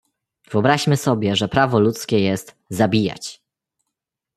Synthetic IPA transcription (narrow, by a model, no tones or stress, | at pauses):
vɨɔbɾaɕmɘsɔbʲjɛʐɛpɾavɔlut̪skʲɛjɛst̪ | zabʲija̰t͡ɕ